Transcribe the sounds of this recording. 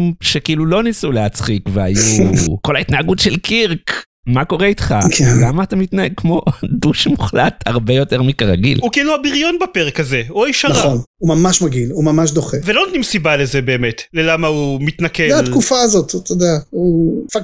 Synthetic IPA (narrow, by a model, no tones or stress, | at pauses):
mʃekiilulo̞nisuleat͡sχikveajuko̞laitnaːɡutʃelkiʁk | mako̞ʁeitχa̰kʰenlamaːtamitnaeɡ̚kmo̞duʃmuχlat̪a̰ʁbe̞jo̞te̞ʁmikaʁaɡḭlukiiluabiʁjo̞nbape̞ʁekaze̞oaiʃaaonumamaʃmaɡilumamaʃ̬d̪oχevelot̪nimsibale̞zebeːme̞tlelamaumit̪nakedatkufazo̞t̪t̪od̪aaufak